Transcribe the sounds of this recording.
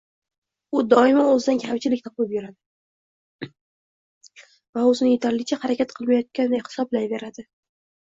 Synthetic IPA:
ʊd̪ɒɪmaɵzɪd̪ankʲʰamt͡ʃʰɪlɪkʲt̪ʰɒplɪpjʊɾad̪ɪ | vaɵzɪnɪje̞t̪ʰaɾlɪt͡ʃʰahaɾakʲat̪̚qʰɨlˠmajɒt̪̚kʲand̪ajhɪ̥sɒb̚blanve̞ɾad̪ɪ

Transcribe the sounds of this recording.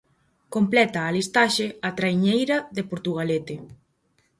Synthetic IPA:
komplɛt̪aːlist̪aʃɪat̪ɾajɲejɾɐðepoɾt̪uɣ̞alet̪ɪ

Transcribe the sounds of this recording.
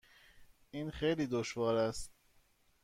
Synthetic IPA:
ʔiːnxejliːd̪oʃvɒːɾæst̪̚

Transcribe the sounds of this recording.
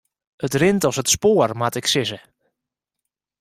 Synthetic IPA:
ətrɪntɔsətspoːərmatɪksɪsə

